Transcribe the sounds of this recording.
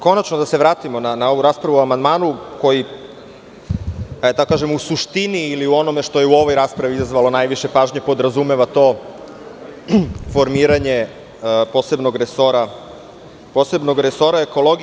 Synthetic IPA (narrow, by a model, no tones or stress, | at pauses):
ko̞nat͡ʃnod̪ase̞ʋɾaːt̪imo̞nanao̞ʋuɾaːspɾaʋuamand̪maːnuko̞ji | ad̪t̪akokaːʒemusuʃt̪iniːliuo̞no̞me̞ʃt̪o̞jeuo̞ʋo̞jɾaːspɾaʋiizazʋalo̞najʋiʃe̞paːʒɲepo̞d̪ɾazume̞ʋat̪o̞ː | fo̞ɾmiːɾaɲe | po̞ːse̞bno̞ɡɾeso̞ɾa | po̞ːse̞bno̞ɡɾeso̞ɾaeko̞lˠo̞ɡ